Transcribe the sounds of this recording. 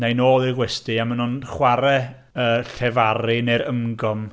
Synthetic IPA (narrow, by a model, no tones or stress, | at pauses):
najnoːðˠɪɡwɛstɪamənʊnχwaɾɛ | əːɬɛvaɾinejɾəmɡɔm